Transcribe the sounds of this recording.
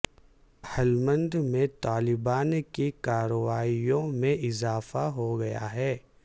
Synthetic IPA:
hɛlmə̃nd̪mẽt̪aːlɪbaːnkikaːɾəʋaːijõmẽʔɪzaːfaɦoɡɐja̰ɦɛː

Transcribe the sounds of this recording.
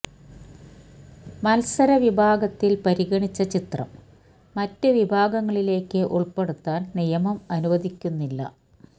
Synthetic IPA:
mɐlsɐɾɐʋibʱaːɡɐt̪ːilpɐɾiɣɐɳit͡ɕːɐt͡ɕit̪rɐ̰mː | ɐtːɨʋibʱaːɡɐŋːɐɭile̞ːkːɨʔuɭpe̞ɽut̪ːaːnnijɐmɐmɐnuʋɐd̪ʱikʲːunːilːɐ̰

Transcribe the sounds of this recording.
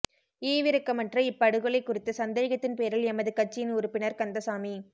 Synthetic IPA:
eːʋɪɾɯkːɐmɐnrɐɪpːɐɽɯɣɯɭɐɪkːʊrɪt̪ːɐsɐnd̪eːɣɐt̪ːɪnpeːɾɪlɛmɐðɯkɐʈ̚t͡ʃːɪjɪnʊɾɯpːɪnɐɾkɐnd̪ɐsaːmi

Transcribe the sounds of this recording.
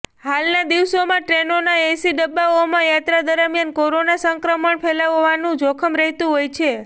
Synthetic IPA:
halnad̪iʋsomãʈɾenonaesiɖəbːaomãjat̪ɾad̪əɾəmjankoɾonasəŋkɾəməɳpʰɛlaʋoʋanũd͡ʒokʰəmɾəɦt̪ũɦojt͡ʃʰe

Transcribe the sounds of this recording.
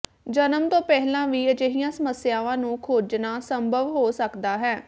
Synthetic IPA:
d͡ʒənəmt̪õːpɛɦlãːʋiːət͡ʃeɦɪjãːsəməsjaːʋãːnũːkʰoːd͡ʒnaːsəmbʱəʋɦoːsəkd̪aːɦɛː

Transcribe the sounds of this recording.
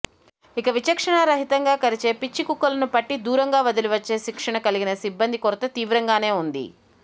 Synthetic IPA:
ikɐʋit͡ʃɐkʂɐɳɐɾɐɦit̪ɐŋɡaːkɐɾit͡ʃe̞ːpit͡ʃːikukːɐlɐnupɐʈːid̪uːɾɐŋɡaːʋɐd̪iliʋɐt͡ʃːe̞ːʃikʂɐɳɐkɐliɡinɐsibːɐnd̪ikɔɾt̪ːɐt̪iːʋɾɐŋɡaːne̞ːund̪ḭ

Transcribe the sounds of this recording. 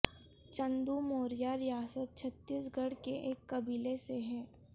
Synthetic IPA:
t͡ʃə̃nd̪umoːɾijaɾɪjaːsət̪̚t͡ʃʰɐt̪ːiːs̬ɡɐɽkeʔeːkːɐbiːleseɦɛː

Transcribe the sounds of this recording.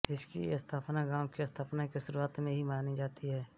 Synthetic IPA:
ɪskḭɐst̪ʰaːpnaɡaːʊkiɐst̪ʰaːpnakeʃʊɾuaːt̪mẽɦimaːnid͡ʒaːt̪ʰiɦɛː

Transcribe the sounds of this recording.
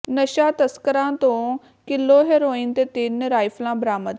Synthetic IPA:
nəʃaːt̪əskəɾãːt̪õː | kɪlːoːɦeːɾoːiːnt̪eːt̪ɪnɾaːɪfʰlãːbɾaːməd̪

